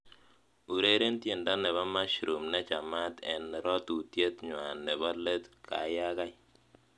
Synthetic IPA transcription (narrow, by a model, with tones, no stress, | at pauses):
u˨ɾe˦ɾe˦ntje˨nda˦nɛ˨βa˦ma˦ʃɾu˨mnɛ˦t͡ʃa˨ma˦t̪ɛ˨nɾɔ˦t̪u˨tje˦t̪ɲwa˨nːɛ˨ba˦le˦t̪ka̰˨ja˦ka˦j